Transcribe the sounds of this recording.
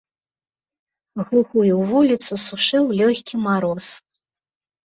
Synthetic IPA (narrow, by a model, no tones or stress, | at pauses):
ɣɨɣujuwvulʲit̪susuʂɨwlʲɔxʲkʲimaɾɔs